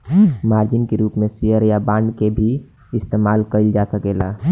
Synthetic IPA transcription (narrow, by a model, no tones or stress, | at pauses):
maɾd͡ʒɪnkeɾuːpmesijəɾjabãːɳɖkebʱi | ɪst̪emalkəɪld͡ʒasəkela̰